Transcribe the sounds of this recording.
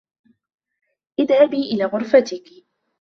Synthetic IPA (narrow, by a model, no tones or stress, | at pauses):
ʔɪd̪habiːʔɪlaːɣʊɾfat̪ɪk